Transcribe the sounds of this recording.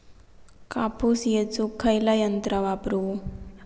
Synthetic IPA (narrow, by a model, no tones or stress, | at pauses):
kapusjet͡sukʰːɐjlajɐnt̪ɾɐʋapɾu